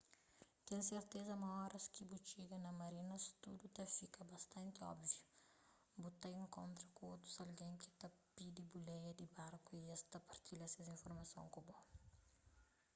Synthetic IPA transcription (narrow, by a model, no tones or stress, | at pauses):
t̪ẽseɾt̪ezɐmɐɔɾɐskibut͡ʃiɡɐnɐmɐɾinɐst̪ud̪ut̪ɐfikɐbɐst̪ɐ̃nt̪iɔ̰bvju | but̪aj̃ŋkõnt̪ɾɐkũot̪ɾu̥zɐlɡẽŋki̥t̪ɐpid̪ibulɛjɐd̪ibaɾkuiɛst̪ɐpɐɾt̪ilɐsezĩnfoɾmɐsõ̰ŋkubɔ